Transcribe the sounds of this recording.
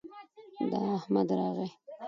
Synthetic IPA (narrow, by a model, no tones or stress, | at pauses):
d̪ɑahmad̪ɾɑɣe